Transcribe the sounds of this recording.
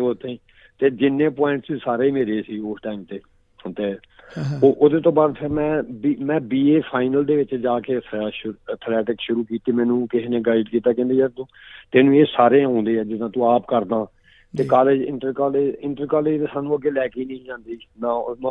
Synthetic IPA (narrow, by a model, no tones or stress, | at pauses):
oːt̪ʰːeĩː | t̪eːd͡ʒɪnːẽːpɔːɪ̃ɳʈssaːɾeːimeːɾeːsiːoːsʈaːɪmt̪eː | t̪eː | oːʔʊd̪eːt̪õːbaːd̪pʰɪɾmɛ̃ːbimɛ̃ːbiːeːpʰaːɪnəld̪eːʋɪt͡ʃd͡ʒaːkeːt̪ʰːʃət̪ʰlɛːʈɪkʃʊɾuːkiːt̪iːmɛ̃ːnũːkɪɦneːɡaːɪɖkiːt̪aːkɛ̃nd̪iːɛːd̪õːt̪eːnũːeːsaːɾẽɦõːnd̪eːɛːd͡ʒɪd̪ãːt̪ũːaːpkəɾd̪ãː | t̪eːkaːleːd͡ʒɪ̰̃ɳʈəɾkaːleːd͡ʒɪ̃ɳʈəɾkaːleːd͡ʒt̪eːsaːnːũːəɡeːlɛːkiːnə̃ĩːd͡ʒãːnd̪iːnãː